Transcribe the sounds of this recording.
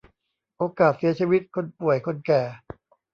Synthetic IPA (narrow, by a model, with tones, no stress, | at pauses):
ʔoː˧kaː˨˩t̪̚si˨˦ɐt͡ɕʰiː˧wi˦˥t̪̚kʰo˧npu˨˩əjkʰo˧nkɛː˨˩